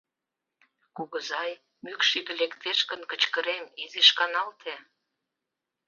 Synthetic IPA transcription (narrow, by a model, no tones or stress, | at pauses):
kuɣə̆zɑj | mykʃiɣə̆lekt̪eʃkənkət͡ɕkəɾemizeʃkɑnɑlt̪ʰe